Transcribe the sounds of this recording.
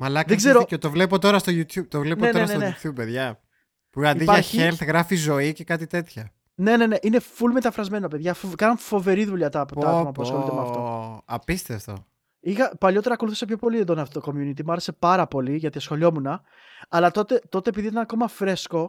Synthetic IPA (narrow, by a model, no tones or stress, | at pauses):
mɐlɐkðeɡzzeɾocot̪ovle̞pot̪o̞ɾɐst̪ojut̪çub̚t̪ovlenoenoeɐsnenejub̚peðʝɐ | puɐnid̪iʝɐçelt̪ɣɾɐfizo̞ice̞kɐt̪it̪e̞t̪çɐ | ne̞ne̞ne̞ʔine̞fulme̞t̪ɐfɾɐzme̞nope̞ðʝɐfokɐnɐnfo̞ve̞ɾiðuʎɐt̪ɐpoɐɐðmɐpuɐsxolit̪emɐft̪o̞ɐpist̪eft̪o̰ | ixɐpɐʎo̞t̪e̞ɾɐkouθisepço̞po̞liðend̪onɐft̪oko̞mjunit̪̬imuɐɾe̞se̞pɐɾɐpo̞liʝɐt̪iɐsxo̞lio̞munɐ | ɐlɐt̪o̞t̪e̞t̪o̞t̪e̞epiðit̪ɐnɐko̞mɐfɾe̞sko̞